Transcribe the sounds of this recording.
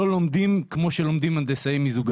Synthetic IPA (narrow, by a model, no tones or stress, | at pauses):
olomd̪imkmo̞ʃelo̞md̪imand̪esaejmizuɡ